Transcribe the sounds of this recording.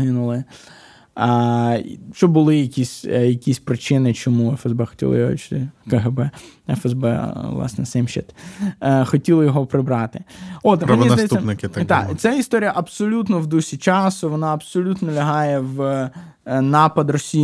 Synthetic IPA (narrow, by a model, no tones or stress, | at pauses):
ɦɪnʊlˠɪ | ʃt͡ʃɔbbʊlˠɪjɐkʲisʲjɐkʲisʲpɾɪt͡ʃɪnɪt͡ʃɔmuɛfɛzbɛxɔ̥tʲḭlˠɪ̰jɔɔ̰t͡ʃɪ̥t̪ɪkɛɦɛbɛɛfɛzbɛ̰ʋlˠɑ̰snɛsɛmʃɛ̰t̪ | xɔtʲilˠɔjɔɦɔpɾɪbɾɑt̪ɪɔt̪mɾmʲizd̪jɛsʲːɐpnɪkɪt̪t̪ɑ̰t̪sɛist̪ɔɾʲijɐʔɐbsɔlʲut̪nɔwd̪usʲit͡ʃɑsʊʋɔnɑɐbsɔlʲut̪nɔlʲɐɦɑjɛʋ | nɑpɐd̪rɔsʲi